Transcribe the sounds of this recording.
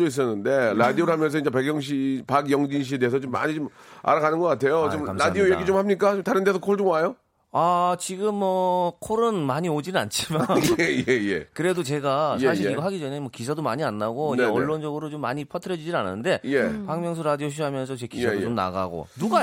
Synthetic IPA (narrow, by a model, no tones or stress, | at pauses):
ois̬͈ʌnːɯnde̞ɾadioɾɯɦamjʌns̬ʰʌind͡ʑepeɡjʌŋɕ̬ʰipaɡjʌŋd͡ʑinɕ̬iedeesʰʌt͡ɕomːa̰ɲit͡ɕoma̰ɾaɡanɯnɡʌk͈atʰe̞joomɾadiojeɡit͡ɕomhamɲik̬͈at͡ɕomtaɾɯnt̬ʰes̬ʰʌkʰoɭt͡ɕomajo | at͡ɕiɡɯmːʌkʰoɾɯnmaɲiod͡ʑinɯna̰nt͡ɕʰimaejejḛkɯɾe̞dot͡ɕe̞ɡasaɕʰiɾiɡʌɦaɡid͡ʑʌnemwʌkisʰadomaɲianːaɡoieʌɭːond͡ʑʌɡɯɾot͡ɕomːa̰ɲipʰʌtʰɯɾjʌd͡ʑid͡ʑinan̰nde̞jepaŋmjʌŋsʰuɾadioɕ̬ʰiɦamjʌns̬ʰʌt͡ɕekisʰadoomna̰ɡa̰ɡo̰nuɡa